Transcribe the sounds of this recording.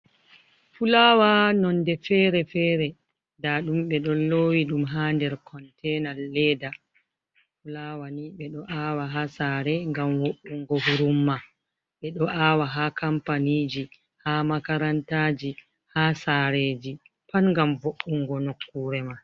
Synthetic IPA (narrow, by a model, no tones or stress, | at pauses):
fulawanɔndɛfɛːɾɛfɛːɾɛ | daɗumɓɛɗɔnlowiɗumɦaːndɛɾkʰɔntɛnalːɛːda | fulawaniɓɛɗɔʔawaɦasaɾɛŋɡamwoʔːuŋɡɔɦuɾumːa | ɓɛɗɔʔawaɦakampaniːd͡ʒi | hamakaɾantaːd͡ʒi | hasaɾeːd͡ʒi | panŋɡamvoʔːuŋɡɔnokːuːɾɛma